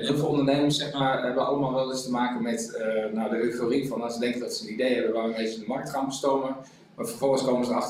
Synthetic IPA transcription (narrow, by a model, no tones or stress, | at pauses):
ɦɪlˠfəlˠondənejməsɛχmaːɹɦɛbəʋəʔɑ̰lˠəmaːlˠʋɛlˠɪstəmaːkənmɛtənadəøɥtorifɑnasədɛŋkədɑtsəənidejɦɛbəʋaənejtdəmɑrk̚tχaːnbəstowmə | maːfərvɔlˠχənskowməzəɑx